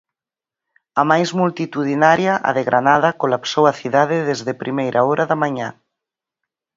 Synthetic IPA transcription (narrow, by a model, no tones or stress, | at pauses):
ɐmajzmult̪it̪uðinaɾjaʔa̰ðeɣɾʔanaðɐkolapsowɐθiðaðɪðezðepɾimejɾʔaɔɾʔaðamaɲa